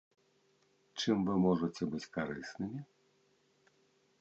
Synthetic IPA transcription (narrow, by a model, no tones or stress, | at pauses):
t͡ʂɨmvɨmɔʐɐt͡sʲɛbɨt͡sʲkaɾɨsnɨmʲi